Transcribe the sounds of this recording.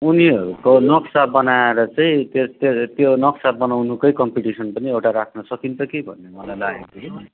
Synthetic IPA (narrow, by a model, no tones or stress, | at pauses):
uniɦʌɾukonʌksabʌnaeɾʌt͡saĩt̪et̪t̪jonʌksap̚bʌnawnukʌjkʌmpiʈisʌnpʌniewʈaɾakʰnʌsʌkint͡sʌkebʱʌ̰nːemʌlajlaɡet̪usʰ